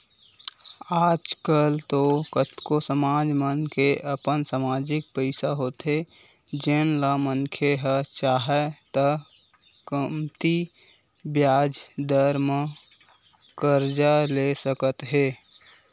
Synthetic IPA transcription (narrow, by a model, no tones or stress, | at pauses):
aːd͡ʒkəlt̪okət̪kosəmaːd͡ʒmənkeʔəpənsamaːd͡ʒɪk̚pəɪsaɦoːt̪ɦe | d͡ʒenlamənkʰeɦət͡ʃaːɦɛt̪ə | kəmt̪i | bjaːd͡ʒd̪əɾmə | kəɾd͡ʒalesəkət̪ɦeː